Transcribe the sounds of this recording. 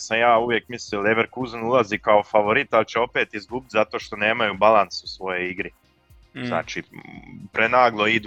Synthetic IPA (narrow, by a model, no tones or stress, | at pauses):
samjaːuʋje̞kmislileʋeɾkuzanulˠazikao̞faʋo̞ɾit̪alt͡ɕeo̞pe̞ːt̪izɡubit̪zat̪o̞ːʃt̪o̞ne̞ːmajubalˠansusʋo̞jo̞iɡɾi | zna̰ːt͡ʃipɾenaːɡlˠo̞id̪